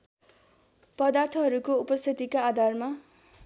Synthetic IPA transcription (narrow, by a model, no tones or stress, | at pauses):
pʌd̪art̪ʰʌɦʌɾukoupʌst̪ʰit̪ikaːd̪ʱarma